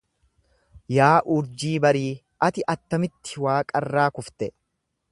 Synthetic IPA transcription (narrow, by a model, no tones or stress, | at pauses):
jaːʔʊɾd͡ʒiːbɐɾiː | ʔɐt̪ɪʔɐt̪ːɐmɪt̪ːɪ̥waːkʼɐrːaːkʊft̪ɛ